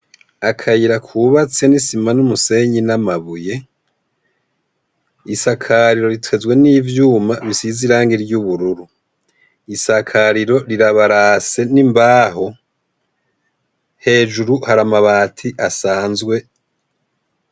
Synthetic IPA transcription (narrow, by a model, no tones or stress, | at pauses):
akʰajiɾakʰuβat͡se̞nisimanumuse̞ɲinamaβuje̞ | isakʰaɾiɾo̞ɾitʰwe̞zwe̞niːvjuːmaβisiziɾaːŋɡiɾɟuβuɾuɾu | isakʰaɾiɾo̞ɾiɾaβaɾase̞nimbaːɦo̞ | he̞ːd͡ʒuɾuhaɾamaβaːtʰiʔasaːnzɡwe̞